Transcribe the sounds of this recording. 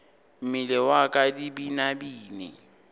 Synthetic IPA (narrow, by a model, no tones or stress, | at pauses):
m̩mɪlɛwakʼadibinabiːnɪ̰